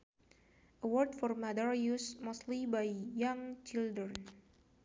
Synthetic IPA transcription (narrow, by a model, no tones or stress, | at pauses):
ʔəwɔrd̚fɔrmadəɹjusmostlibajjãŋt͡ʃildɾən